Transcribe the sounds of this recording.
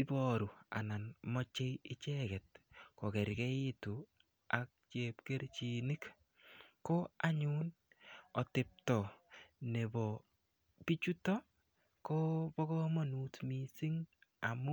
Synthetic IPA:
ɪ˦bɔ˨ɾu˨a̰˨na˨nmɔ˦t͡ʃe˦jɪ˦t͡ʃɛkɛ˨t̚ko˨kɛ˨ɾkɛ˦ɪ˦tu˨ | a˨k̚t͡ʃepke˦ɾt͡ʃini˦k | ko˦a˦ɲun | ɔ˨tɪ˨p̚tɔ˨ne˨bɔ˨ | pi˦t͡ʃu˦tɔ˦ | ko˦pɔ˦kɔ˦mɔ˦nutmisi˦ŋa˨mu˦

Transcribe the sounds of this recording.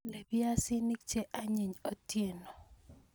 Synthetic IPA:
le˨bɪ˦a˦sɪ˦ni˦k̚t͡ʃe˦ʔa˦ɲi˨ɲo˨tje˦˨no˨

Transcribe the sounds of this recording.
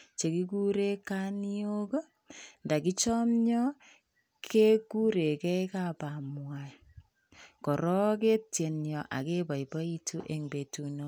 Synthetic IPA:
t͡ʃe˨ki˦ku˦ɾe˦ka˦ni˦o˦ko˦ | nda˨ki˦t͡ʃɔ˦mɲɔ˦ | kʰe˦ku˦ɾe˨kɛ˦i˦ka˨pa˨mwa˨ | kɔ˨ɾɔ˦ke˦tje˨njɔ˨ʔa̰˨ke˦ba˨ibɔ˦i˦tʰu˦ʔe˨ŋbe˨tu˨no˦

